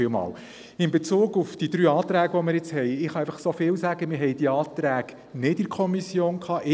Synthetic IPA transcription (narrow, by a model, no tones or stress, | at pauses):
ɪlmɑ̰ːl | ɪmbet͡suːɡufd̥id̥̪ɾyːɑːt̪ɾæːɡʋɔmɪɾjɛt͡shɛjɪχɑɛjfɑχsofɪːwsæɡəmɪɾɦɛjd̥iɑːt̪ɾæːɡ | nɪtɪkʰɔmisjoːnkʰɑːʔɪ